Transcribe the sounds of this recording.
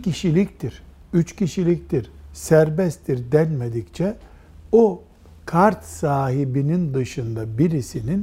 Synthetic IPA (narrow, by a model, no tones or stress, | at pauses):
cʰiʃilʲict̪ʰiɾ̥yt͡ʃcʰiʃilʲict̪ʰiɾsæɾbɛstt̪ʰiɾd̪ɛnmed̪ict͡ʃʰɛ | o | kʰaɾt̪saːɦibinind̪ɯʃɯnd̪abiɾisinin